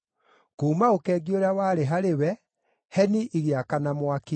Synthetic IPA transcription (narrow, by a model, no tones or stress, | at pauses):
koumaokɛːɡioɾeawaːɾeɦaɾewɛ | hɛniʔiɣeakanamwake